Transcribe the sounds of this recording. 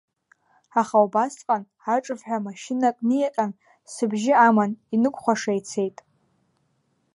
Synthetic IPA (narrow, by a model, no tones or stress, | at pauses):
aχawbasqʼan | aʈ͡ʂʼɨvħʷᶣamaʃɪnakʼnijaqʼan | sɨbʒɪamaninɨkʷʼχʷaʂajt͡sʰe̞jtʼ